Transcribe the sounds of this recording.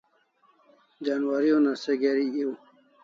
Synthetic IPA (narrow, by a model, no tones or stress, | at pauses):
d͡ʑanwaɾionaseɡeɾiio